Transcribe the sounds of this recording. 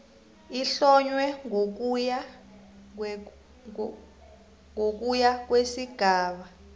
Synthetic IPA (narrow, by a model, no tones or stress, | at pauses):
iɬɔɲwɛŋk̬ja | ŋok̬ujak̬wesiɡ̥ʱaːɓa